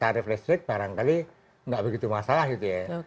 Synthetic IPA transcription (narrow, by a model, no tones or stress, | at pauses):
t̪aɾɪflɛst̪ɾɪk̪̚b̥aɾaŋkali | ŋɡaʔbəɡit̪umasalahɡit̪uje